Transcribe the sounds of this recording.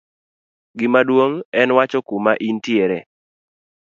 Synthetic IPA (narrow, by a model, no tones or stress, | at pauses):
ɡɪmadwoŋɛnwat͡ʃɔkumaʔintieɾɛ